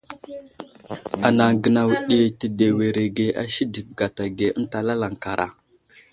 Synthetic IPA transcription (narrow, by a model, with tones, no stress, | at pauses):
a˨na˨ŋɡə˨na˨wɗe˦ti˨de˨we˨ɾe˨ɡe˨ʔa̰˦ʃi˦di˨k̚ɡa˨ta˨ɡe˨ə˦n˦ta˨la˦la˨ŋka˨ɾʔa̰˨